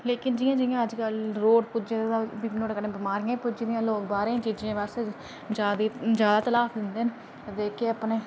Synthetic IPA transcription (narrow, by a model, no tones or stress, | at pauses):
leːkɪnd͡ʒɪjãːd͡ʒɪjãːəd͡ʒkəlɾoːɖpʊd͡ʒeabinoːɖkənẽːbɪmaːɾɪːãpʊd͡ʒːd̪ɪjãːloːkbaːɾẽːt͡ʃiːd͡ʒẽːʋas | d͡ʒaːd̪iːd͡ʒjaːd̪aːt̪əlaːfd̪ɪnd̪eːn | t̪ːd̪eːkʰeːəpneː